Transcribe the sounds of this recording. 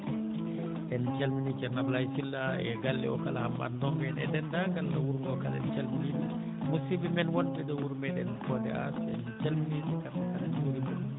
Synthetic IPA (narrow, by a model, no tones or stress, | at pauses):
ɗɛnt͡ʃalminikɛnablajsilːaɛɡalːɛ̰ɔkalahamːa̰ndɔŋɡɛnɛ̰dɛndaɡalːawuɾmɛɔkalɛ̰nt͡ʃalminimɛ | musibimɛnwɔnbɛdɔwuɾmɛɗɛ̰nkɔdɛ̰a̰sɛnt͡ʃalmininikandakalad͡ʒuɾibɔ̰n